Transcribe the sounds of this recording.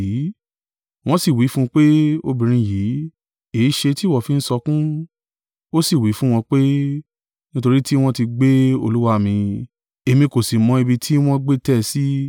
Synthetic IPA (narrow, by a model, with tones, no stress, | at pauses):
i˨˦ | w̃ɔ̃˦si˦˨wi˨˦fũ˦˧k͡pe˦o˧bĩ˨ɾ̃ĩ˧jiː˨˦ | e˨˦ʃe˧ti˦˨wɔ˦˨fi˨˦n̩˦sɔ˧kũ˦ | o˦si˦˨wi˨˦fũ˦w̃ɔ̃˧k͡pe˦ | nĩ˦to˧ɾi˦ti˦w̃ɔ̃˦ti˧ɡ͡be˦o̰˧lu˦wa˦˨mĩ˧ | e˧mĩ˧ko˨si˨mɔ̃˧e˧bi˧tʰi˦w̃ɔ̃˦ɡ͡be˦tɛ˦˨si˦